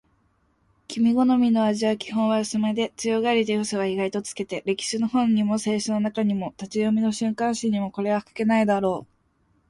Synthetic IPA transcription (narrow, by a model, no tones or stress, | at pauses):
kʲimʲiɡo̞no̞mʲino̞aʑiakʲi̥ɦõ̞ɰ̃βaɯsɨmad̪e̞t͡sɨjo̞ɡaɾʲit̪ejosoɡaiɡait̪o̞t͡sɨ̥ke̞t̪e̞ɾe̞kʲi̥ɕɨno̞hõ̞ɲ̟ɲ̟imo̞se̞ːɕono̞nakaɲ̟imo̞t̪at͡ɕijomʲino̞ɕɨ̃ŋkãɰ̃ɕĩɲ̟imo̞ko̞ɾe̞βaɸkḁke̞naid̪aɾo̞ː